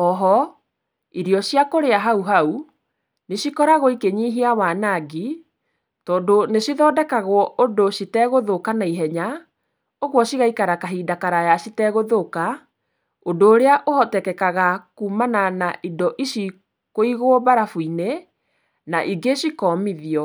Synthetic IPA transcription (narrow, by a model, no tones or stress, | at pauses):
ɔɦɔ | iɾiɔʃiakoɾeaɦauɦau | neʃikɔɾaɣoikeɲiːɦiawanaɡi | tɔːndonesiðɔdɛkaɣwɔʔodoʃitɛɣoðokanaiɦɛɲa | oɣwɔɕiɣaikaɾakaɦidakaɾajaɕitɛɣoðoka | odoːɾeaʔohɔtɛkɛkaɣakuːmananaʔidɔʔiʃi | koiɣobaɾafuine | naʔiɡesikɔːmiðiɔ